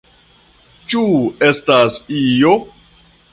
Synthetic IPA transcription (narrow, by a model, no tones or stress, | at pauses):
t͡ʃuestasijo